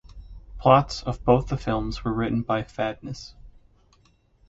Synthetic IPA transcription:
pʰl̥ɑtsʌvboʊθðəfɪlˠmzwə˞ɹɪʔn̩baɪfædⁿnɨs

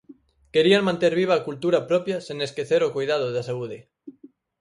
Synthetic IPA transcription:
keɾiaŋmãnt̪eɾβ̞iβ̞aːkult̪uɾapɾɔpjaseŋeskeθeɾokojðaðoðasauðe

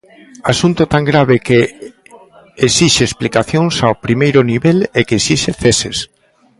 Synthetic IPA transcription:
asunt̪ʊt̪aŋɡɾaβ̞eke | esiʃeːsplikaθjoŋsaopɾimejɾʊniβelekesiʃeθeses

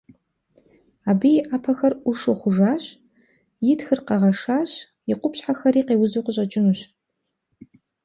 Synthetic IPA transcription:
aːbijʔaːpʰɐxɐrʔʷʊʂɨχʷʊʐaːɕ | jɪtxɨrqɐʁɐʂaːɕ | jɪqʷʊpɕħaxɐɾiːqeːwʊzuqʷʊɕʼɐt͡ʃʼɪnuɕ

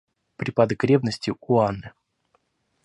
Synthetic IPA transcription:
pɾʲɪpad̪əkɾʲevnəsʲtʲɪʊanːɨ

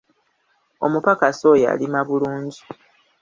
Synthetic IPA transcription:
o̞̰mupakasoja̰limaβuluːɲɟi

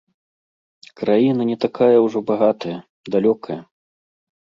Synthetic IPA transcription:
kɾajinɐnʲɛt̪akajɐwʐɔbaɣat̪ɐjɐ | d̪alʲɔkɐjɐ

